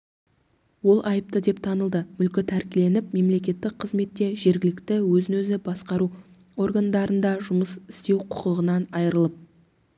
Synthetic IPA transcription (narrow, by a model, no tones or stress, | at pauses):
wo̞lˠʔɑjəp̚t̪əd̪e̞pt̪ʰɑnəlˠd̪əmʏlkʲɪt̪ʰæɾkʲɪle̞nɪp̚me̞mle̞kʲe̞t̪ːɪk̚qʰəzme̞t̪ːe̞ʒe̞ɾɡʲɪlɪkt̪ɪwɵzɪnɵzɪbɑsqɑɾu | o̞rɡand̪ɑɾənd̪ɑʒʊməsɪ̥st̪e̞wqʰʊ̥qəlˠəʁənɑnɑjəɾəlˠəp̚